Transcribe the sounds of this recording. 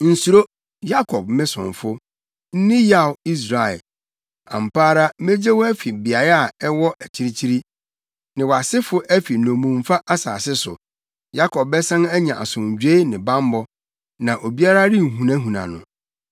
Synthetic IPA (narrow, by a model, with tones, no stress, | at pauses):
n̩˨su˨ɾo˦ | ja˦kʰɔ˨b̚mɪ̃˦sʊ̰̃˨n˨fʊ˦ | n̩˦nɪ̃˦ja˦˨wi˦s̬ɾa˨ɛ˨ | ã̰˨m̩˨paː˦ɾa˦me˦d͡ʑe˦wɔ˦æ˦fi˨bi˨a˨ɾa˨ɛ˦wɔ˦ʔæ˨t͡ɕʰi˦ɾi˦t͡ɕʰi˦ɾi˦ | nɪ̃˨wa˨sɪ˦fʊ˦ʔæ˦fi˨nɔ̃˨mũ˨m̩˦˨fa˦ʔa˦saː˨sɪ˦sʊ̰˨ | ja˦kʰɔ˨b̚bɛ˦sã˦næ˦ɲã˨ʔa̰˨sʊ̃˨ɲ˨d͡ʑᶣe˦nɪ̃˨bã˦m˦bɔ˦ | nã˨ʔo˨bi˦a˦ɾa˦ɾɪ˦˨ɦũ˨nã˦ɦũ˨nã̰˨nʊ̰̃˨